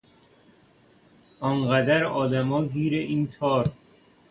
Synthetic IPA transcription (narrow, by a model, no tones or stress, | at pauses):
ɒnɢæd̪æɾɒːd̪æmɒːɡiːɾeʔiːnt̪ʰɒːɾ